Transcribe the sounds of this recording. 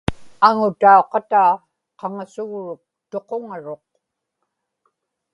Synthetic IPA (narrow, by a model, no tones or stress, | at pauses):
aŋʊt̪aoqɑt̪aː | qɑŋasʊɣɻʊk̚t̪o̞qoŋaɻo̞q̚